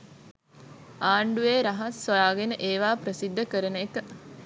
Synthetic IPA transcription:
aːɳɖueːɾaɦasːojaːɡenəʔeːʋaːpɾəsid̪ːəkəɾəneːkə

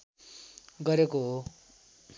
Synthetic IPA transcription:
ɡʌɾekoɦo

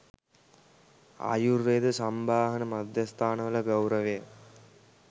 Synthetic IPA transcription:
a̰juɾːeːd̪usɐmbʱaːɦɐnɐmɐd̪jɐst̪ʰaːnɐʋɐlɐɡɐwɾɐʋeː

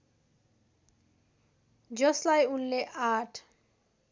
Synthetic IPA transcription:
d͡ʑɔslajunleʔaʈʰ

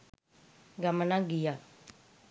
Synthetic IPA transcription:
ɡəmnãːɡijaː

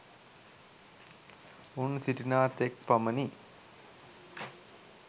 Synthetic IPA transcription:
unsiʈinaːt̪ek̚paməni

